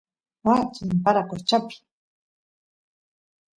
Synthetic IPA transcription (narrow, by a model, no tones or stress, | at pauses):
wat͡ʃimpaɾakot͡ʃapi̥